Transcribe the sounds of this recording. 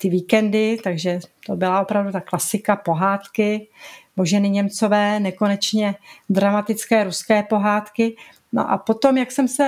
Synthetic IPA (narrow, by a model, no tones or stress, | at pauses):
t̪ɪviːkɛndɪt̪aɡʒɛt̪o̞bɪlao̞pɾavdut̪aklasɪkapo̞ɦaːt̪kɪmoʒɛnɪɲɛmt͡so̞vɛːnɛko̞nɛt͡ʃɲɛdɾamat̪ɪt͡skɛːɾuskɛːpo̞ɦaːt̪kɪ | no̰ʔa̰po̞t̪o̞mjaksɛmsɛ